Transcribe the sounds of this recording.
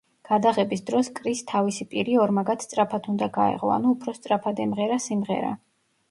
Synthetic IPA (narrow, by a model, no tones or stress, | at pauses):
ɡ̥ad̪aʁɛbisd̪ɾɔskʼɾist̪ʰavisipʼiɾiɔɾmaɡat̪st̪ʼɾapʰat̪ʰund̪aɡaɛ̰ʁɔa̰nuːpʰɾɔst̪sʼɾapʰad̪ɛmʁɛɾasimʁɛ̰ɾa̰